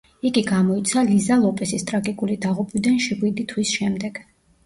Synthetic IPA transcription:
iɡiɡamɔit̪sʰalizalˠɔpʼɛsist̪ʼɾaɡikʼulid̪aʁupʼwid̪anʃiʁwid̪it̪ʰwisʃɛmd̪ɛɡ̥

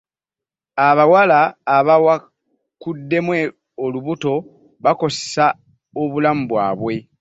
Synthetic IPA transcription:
aβawalaːβawa | kudːe̞mwe̞ | oluβuto̞ | βako̞se̥sa | oβulamuβwaːβwe̞

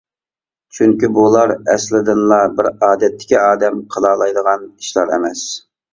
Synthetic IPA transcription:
t͡ʃʰyŋkʲibulˠɑɾɛslɪd̪ɪnlˠɑbɪɾɑːd̪ɛt̪ʰːɪ̥kʲiɑːd̪ɛmqʰəlˠɑːlˠɑjd̪əʁɑni̥ʃlˠɑɾɛ̰mɛs

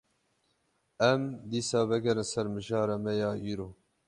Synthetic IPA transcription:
ɛmd̪iːsɑːvɛɡɛɾɨnsɛɾmɨʒɑːɾɛmɛjɑːʔiːɾoː

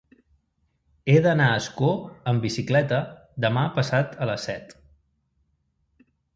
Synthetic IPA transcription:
eðənaəskoəmbisiklɛt̪əd̪əmapəsat̪ələsːɛt̪

